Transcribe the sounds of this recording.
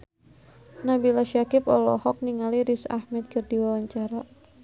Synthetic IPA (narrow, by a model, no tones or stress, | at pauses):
nabilaʃakɪpɔlɔ̰hɔk̚niŋaliɾisa̰hmɛt̪̚kərdiwawaɲt͡ʃaɾa